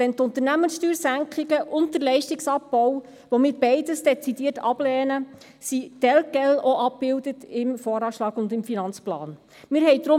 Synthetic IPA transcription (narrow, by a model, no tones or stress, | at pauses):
dɛnt̪ʊnt̪əɾnæmənsʃtyːɾsæŋkχɪɡəʔʊnt̚d̥ərlɛɪʃtɪksɑpːɔw | ʋomɪːɾbɛɪdəsd̥ɛt͡sidiərtɑb̥lɛːnə | sitɛlɡ̥ɛloʔɑp̚b̥ɪldətɪmfɔːɾɑːʃlɑːɡʊndɪmfinɑnt͡splɑ̰ːn | mɪːɾɦɛjdɾʊ